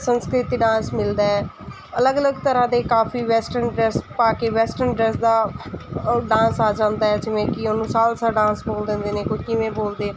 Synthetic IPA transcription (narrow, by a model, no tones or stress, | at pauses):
sənskɾɪt̪iːɖãːsmɪld̪aːɦɛː | ələɡələɡt̪əɾãːd̪eːkaːfʰiːʋɛːsʈəɾnɖɾɛːspaːkeːʋɛːsʈəɾnɖɾɛːsd̪aː | ɖãːnsaːd͡ʒãːnd̪aːɛːd͡ʒɪʋẽːkɪoːnũːsaːlsaːɖãːnsboːld̪ẽːnd̪eːneːkokɪʋẽːboːld̪eː